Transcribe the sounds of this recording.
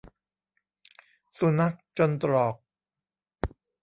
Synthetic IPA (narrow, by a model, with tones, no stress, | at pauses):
su˨˦na˦˥k̚t͡ɕo˧nt̪ɾɔː˨˩k̚